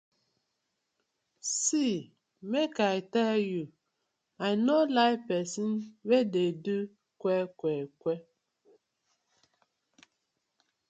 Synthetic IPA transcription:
si | mekaɪtɛlju | aɪnolaɪpɛsinwededu | kʷɛkʷɛkʷe

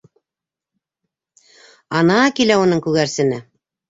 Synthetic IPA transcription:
ɑnɑkilæunɤŋkʉɣæɾsɘ̆nɘ

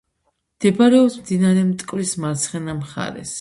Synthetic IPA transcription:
md̪̥ɛbaɾɛɔpsmd̪inaɾɛmt̪ʼkʼvɾismaɾt̪sʰχɛnamχa̰ɾɛ̰s

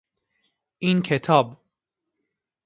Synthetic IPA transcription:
ʔiːnkʰet̪ʰɒːb

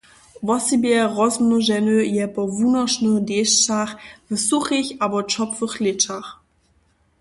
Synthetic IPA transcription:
vɔsibjɛʁɔzmnuʒɛnøjɛpɔvuːnɐʃnədeːʃt͡saχvsuxɪçabɔt͡ʃɔpfəχlɪt͡ʃax

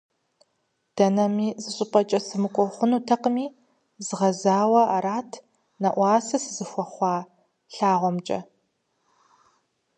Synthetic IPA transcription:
d̥ɐnɐmiːzɨɕʼɪpʼɐt͡ʃʼɐsɨmɨkʷʼɔχʷʊnuːtʰɐqəmiː | zɨʁɐzaːwɐʔaɾaːtʰ | nɐʔʷɑːsɐsɨzɨxʷɔχʷɑː | ɬaːʁʷɔmt͡ʃʼɐ̰

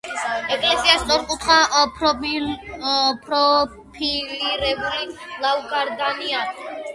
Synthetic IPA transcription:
ɛkʼlɛsiast̪ʼɔɾkʼut̪ʰχa | pʰɾɔ | pʰiliɾɛbulilauɡaɾd̪ania

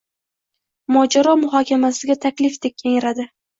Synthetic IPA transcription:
mɒd͡ʒaɾɒmʊɦɒkʲʰamasɪɡʲat̪ʰakʲlɪfd̪ek̚ʲkʲʰeŋɾad̪ɪ

